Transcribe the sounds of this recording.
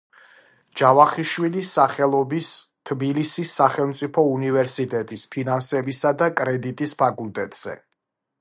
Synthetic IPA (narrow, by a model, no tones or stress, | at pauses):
d͡ʒ̥avaχiʃwilisaχɛlˠɔbist̪ʰbilisisːaχɛlˠmt̪sʼipʰɔunivɛɾsit̪ʼɛt̪ʼispʰinansɛbisad̪akʼɾɛd̪it̪ʼispʰakʼulˠt̪ʼɛt̪ʼz̥ɛ̰